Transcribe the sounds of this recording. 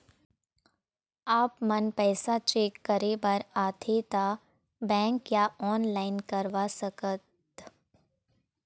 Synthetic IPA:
aːpmɐnpɛːsat͡ʃeːkːɐɾebɐɾaːt̪ʰet̪a | bɛ̃ːŋkjaːɔːnlaːɪnkɐɾʋaːsɐkət̪

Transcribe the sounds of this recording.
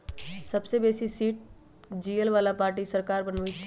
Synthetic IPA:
sɐbsebeːsisiːʈ̚ | d͡ʒiːəlʋaːlapaːɾʈ̬isəɾkaːɾbənʋit͡ʃʰ

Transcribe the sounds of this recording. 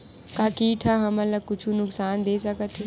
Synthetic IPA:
kaːkiːʈʰaɦɐmɐləkʊt͡ʃʰũnʊksaːnd̪eːsɐkət̪ʰːĩ

